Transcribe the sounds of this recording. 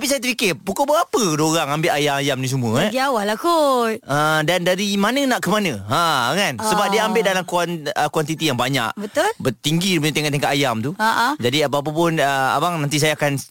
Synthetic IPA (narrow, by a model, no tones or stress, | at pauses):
tapisajat̪əpikɪrpukobəɣapədoɾaŋambɪʔ̪ajamajamnis̬əmuəɡiawalakuədandaɾimanənãʔkəmanə̃akansəbap̚diəambɪt̪ʔ̚dalamkuanəkwant̪it̪ijaŋbaɲa̰ʔbət̪ʊlbət̪iŋɡipuɲat̪̬eŋɔʔt̪eŋkat̪ajamt̪uaʔd͡ʒadiap̬əap̬əp̬ʊnəa̰waŋnant̪is̬ajaːkan